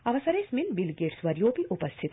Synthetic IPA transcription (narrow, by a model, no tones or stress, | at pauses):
ɐʋɐsɐɾeːsminbilɡeʈsʋɐɾjoːpiʔʊpɐst̪ʰit̪